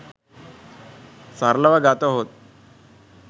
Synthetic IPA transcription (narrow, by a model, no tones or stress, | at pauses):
saɾləʋaɡat̪əɦot̪̚